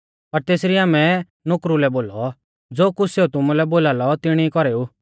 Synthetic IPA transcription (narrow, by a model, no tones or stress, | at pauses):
pɐɾt̪eːsɾiaːmɛ | nʊkɾulɛboːlɔ | d͡zoːkʊseːut̪ʊmulɛboːlaːlɔt̪ɪɽ̃ikɔɾeːu